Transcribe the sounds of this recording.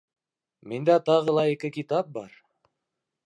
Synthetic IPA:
mind̪æt̪ɑʁɤ̆lˠɑikɘkit̪ɑp̚bɑ̰ɾ

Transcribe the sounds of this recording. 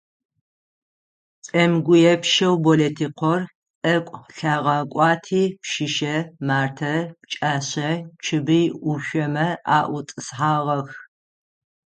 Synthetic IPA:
t͡sʼɐmɡʷʊjɛpʃɐwbɔletʰiːqʷʰɔr | t͡sʼɐkʷʼɬaːʁɑːkʷʼɑːtʰiːpʃɪʃɐmaːrtʰɐpt͡ʃʼaːɕɐt͡ʃʰɨbɨjʔʊʃʷɔmɐa̰ːʔʷʊt͡sʼɨsħaːʁɐx

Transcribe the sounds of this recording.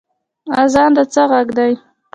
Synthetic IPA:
azɑnd̪at͡səɣaɡd̪aj

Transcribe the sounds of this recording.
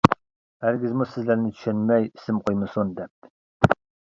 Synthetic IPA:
æɾɡʲizmusɪzlæɾnɪt̪ʰy̥ʃɛnmɛji̥sɪmqʰojmɨsund̪ɛp̚

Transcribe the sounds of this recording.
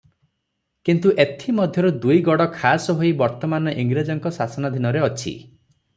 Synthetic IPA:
kint̪uʔet̪ʰimɔd̪ʱjɔɾud̪ujɡɔɽɔkʰasɔɦojbɔɾt̪ɔmanɔʔiŋɡɾed͡ʒɔŋkɔsasɔnad̪ʱinɔɾeɔt͡ʃʰḭ

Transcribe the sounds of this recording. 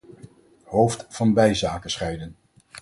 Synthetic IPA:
howftfɑnbɛjzaːkəsχɛjdən

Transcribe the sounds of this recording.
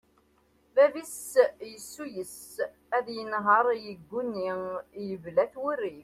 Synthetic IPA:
vævisjəsːujəs | æðjənɦəɾˤjəɡʷːunːijəvlæθwʊrːif

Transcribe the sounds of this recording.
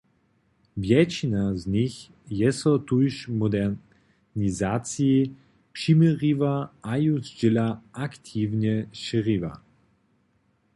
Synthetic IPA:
vjɛt͡ɕinazɲix | jɛsɔt̪ujʃmɔd̪ɛ | nizat̪sii | pʂimʲɛɾivaajuzd͡ʑilaakt̪ʲʰivɲɛʃiɾiva̰

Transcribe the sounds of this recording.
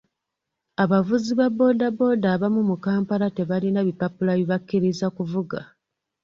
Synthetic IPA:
aβavuziβabo̞dabo̞daːβamumukaːmpaɾate̞βalinaβipapulaβiβakːiɾizakuvuɡa̰

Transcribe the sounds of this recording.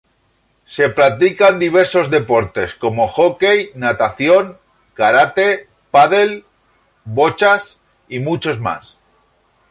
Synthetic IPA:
se̞pɾat̪ikand̪iβ̞e̞ɾso̞zðe̞po̞ɾt̪e̞sko̞mo̞xo̞ke̞jnat̪aθjo̞ŋ | kaɾat̪e̞ | paðe̞l | bo̞t͡ʃas | imut͡ʃo̞zma̰s

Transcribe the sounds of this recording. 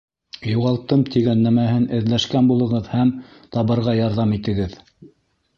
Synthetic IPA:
juʁɑlˠt̪ɤmt̪ʰiɡænːæmæhɘnɘ̆ðlæʃkænbulˠɤ̆ʁɤðhæmt̪ɑβɤ̆ɾʁɑjɑɾðɑmit̪ɘ̆ɡɘð

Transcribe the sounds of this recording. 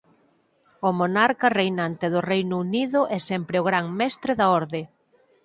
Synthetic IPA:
ʊmonaɾkɐrejnant̪eðʊrejnʊuniðʊʔɛsɛmpɾɪʊɣɾaŋmɛst̪ɾeðaɔɾðe

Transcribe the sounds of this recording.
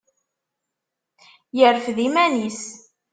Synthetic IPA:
jəɾfðimænis

